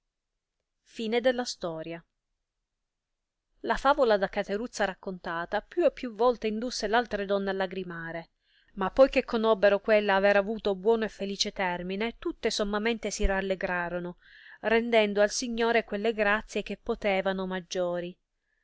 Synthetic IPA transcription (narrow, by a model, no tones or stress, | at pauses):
fiːned̪elːast̪ɔːɾja | lafaːvolad̪akat̪eɾut̪sːaɾakːont̪aːt̪apjuepːjuvːɔlt̪eind̪usːelalt̪ɾed̪ɔnːealːaɡɾimaːɾe | mapːɔjkekʰːonɔbːeɾokwelːaːveɾavuːt̪obwɔːnoefːeliːt͡ʃet̪ɛrminet̪ut̪ːesomːament̪esiralːeɡɾaːɾono | rend̪ɛnd̪oalsiɲːoːɾekwelːeɡɾat̪sːjek̟epːot̪ɛːvanomad͡ʒːoːɾi